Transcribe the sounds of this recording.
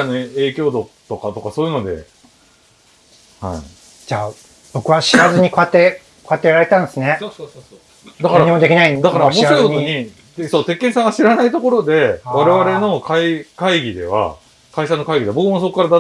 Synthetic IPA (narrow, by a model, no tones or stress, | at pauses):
anoe̞ːkʲo̞ːd̪o̞t̪o̞kat̪o̞kaso̞ːjiɯ̟no̞d̪e̞̰ | ha̰ḭ | d͡ʑaː | b̥o̞kɯ̟βaɕiβazɨɲ̟iko̞at̪ːe | ko̞at̪ːejɾaɾe̞t̪ãnd̪sɨne̞ | d̪akaɾaɲimo̞d̪e̞kʲinaid̪akaɾamoaɯkot̪oɲɲi | soːt̪e̞kːẽ̞sãɡaɕiɾanait̪o̞ko̞ɾo̞d̪e̞βaɾe̞βaɾe̞no̞kaikaiɡʲid̪e̞̰β̞a̰ | kaiɕano̞kaiɡʲid̪eabo̞kɯ̟mosokkːaɾad̪a